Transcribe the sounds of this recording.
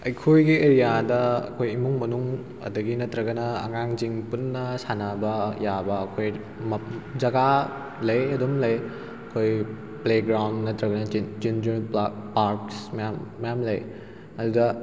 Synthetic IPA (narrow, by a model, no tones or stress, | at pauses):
ɐjkʰojɡieɾijadɐɐ̰kʰojimuŋmɐnuŋ | ɐ̰dɐɡinɐtɾɐɡɐnɐɐ̰ŋaŋziŋpunːɐsanɐbɐjabɐːkʰoj | md͡ʒɐɡa | lɐjɐdomlɐj | ɐkʰoj | pleɡɾawndnɐtɾɐɡɐnɐd͡ʒind͡ʒpaɾksmɐjamːɐjamlɐj | ɐdudɐ